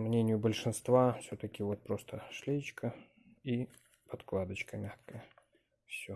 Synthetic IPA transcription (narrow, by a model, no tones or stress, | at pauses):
mnʲenʲɪjʊbəlʲʂɨnst̪vafsʲot̪əkʲɪvot̪̚pɾo̞st̪ʰəʂlʲejt͡ɕkʰə | i | pɐt̪klˠad̪ət͡ɕkəmʲaxkəjə | fsʲo